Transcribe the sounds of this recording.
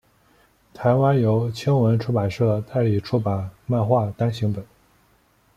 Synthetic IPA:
t̪ʰa˧˥ɪwa˥njo˧˥ʊt͡ɕʰɛ˥ŋwə˧˥nʈ͡ʂʰu˥˩pa˨˩nʂɤ˥˩t̪a˥˩ɪli˨˩ʈ͡ʂʰu˥pa˨˩˦nma˥˧nxwa˥˩t̪ɑ˥ŋɕi˧˥ŋpə˨˩˦n

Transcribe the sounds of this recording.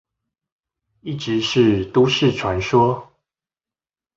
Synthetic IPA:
i˥˩ʈ͡ʂɻ̩˨˦ʂɻ̩˥˨t̪u˦ʂɻ̩˥˨ʈ͡ʂʰwa˧˦nʂwɔ˥

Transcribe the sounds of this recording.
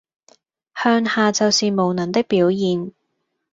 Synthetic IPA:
hœː˧ŋhaː˨t͡sɐ˨wsiː˨mo˨wnɐ˨˩nt̪ɪ˥k̚piː˨˥wjiː˨n

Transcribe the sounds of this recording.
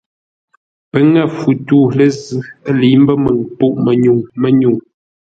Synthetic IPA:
pə˨ŋɛ˦˨fu˨tuː˦˨lə˦zʉ˦li˨˦m˦bə˦mə˨ŋpu˦˨ʔmə˨ɲu˨ŋmə˨ɲu˨ŋ

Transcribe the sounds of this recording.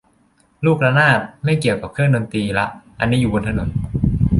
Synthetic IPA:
luː˥˩k̚la˧naː˥˩t̪̚ma˥˩jki˨˩əwka˨˩kʰɯ˥˩ŋdo˧nt̪iː˧la˦˥ʔʔa˧nːiː˦˥juː˨˩bo˧nt̪ʰa˧no˩˦n

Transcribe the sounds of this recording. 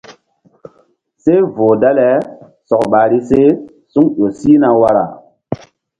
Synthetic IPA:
se˦voː˨da˦lɛ˨˦ | sɔ˨kɓa˨ɾi˦se˦ | su˦ŋɗo˨si˦na˨wa˦ɾa˨

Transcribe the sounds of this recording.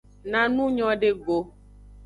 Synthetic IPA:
nã˨nũ˦ɲɔ̃˦ɖe˦ɡo˨

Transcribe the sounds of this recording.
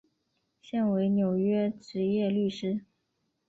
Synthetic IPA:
ɕjɛ˥˩nwe˧˥ɪnjo˨˩ʊɥɛ˥ʈ͡ʂɻ̩˧˥jɛ˥˧ly˥˩ʂɻ̩˥

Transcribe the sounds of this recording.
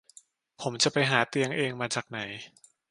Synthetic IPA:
pʰo˩˦mt͡ɕa˨˩pa˧jɦaː˩˦t̪i˧əŋʔeː˧ŋmaː˧t͡ɕaː˨˩k̚na˩˦j

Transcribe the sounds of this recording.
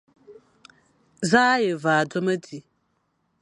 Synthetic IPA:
zaː˦je˨vaː˨do˦mə˦di˨

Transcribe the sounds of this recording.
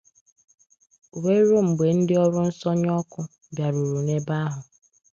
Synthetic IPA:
we˦ɾo˦m̩˨ɡ͡be˨n̩˦dɪ˦ɔ˦ɾʊ˦n̩˦sɔ˦ɲ˦ɔ˦kʊ˦ | bja˨ɾu˨ɾu˨ne˦ba˦ɦʊ˨

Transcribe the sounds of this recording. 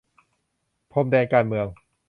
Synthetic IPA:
pʰo˧mdɛː˧nkaː˧nmɯ˧əŋ

